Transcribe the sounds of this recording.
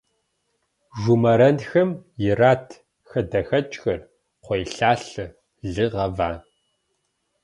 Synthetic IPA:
ʒʷʊmɐɾɐnxɐmjɪraːtʰ | xɐdɐxɐt͡ʃʼxɐr | qʷɔjɬaːɬɨ | ɮɨʁɐva̰ː

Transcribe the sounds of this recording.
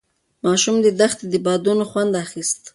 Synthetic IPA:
mɑʃumd̪əd̪axt̪d̪əbɑd̪unoxwand̪axist̪

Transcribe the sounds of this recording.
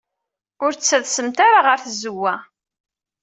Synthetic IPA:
ʊɾt͡sːæðsəmt̪aɾaʁəɾθzəwːæ

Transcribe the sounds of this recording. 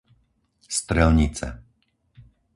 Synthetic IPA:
st̪ɾɛlɲit͡sɛ̰

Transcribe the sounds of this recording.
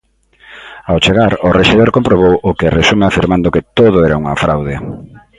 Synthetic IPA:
awt͡ʃeɣaɾʊreʃiðoɾkompɾoβ̞owʊkeresumeafiɾmand̪okɪt̪oðʊɛɾauŋa̰fɾawðɪ

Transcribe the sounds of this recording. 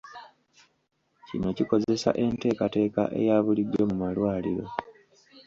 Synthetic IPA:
cino̞ciko̞ze̞sa̰ʔe̞nte̞ːkate̞ːka̰ʔe̞̰jaːβulidːo̞mumalwaːliɾo̞̰

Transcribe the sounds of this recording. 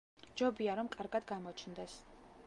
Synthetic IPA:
d͡ʒɔbiaɾɔmkʼaɾɡad̪ɡamɔt͡ʃʰnd̪ɛs

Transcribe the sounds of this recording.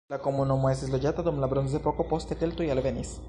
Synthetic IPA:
lakomonomoesezloʝat̪aðomlaβɾons̬d̪epokopost̪et̪elt̪oialβenis

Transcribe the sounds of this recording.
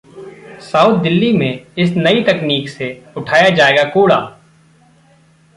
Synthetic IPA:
saːʊːt̪̚d̪ɪlːimẽɪsnəit̪əkniːkseʊʈʰaːjad͡ʒaːeːɡakoːɽa̰ː

